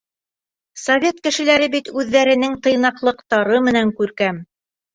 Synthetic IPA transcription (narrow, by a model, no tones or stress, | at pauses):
sɐvʲet̪̚kɘ̆ʃɘ̆læɾɘbit̪ʉðːæɾɘ̆nɘŋt̪ɤ̆jnɑqlˠɤ̆qt̪ɑɾɤmɘ̆næŋkʉɾkæm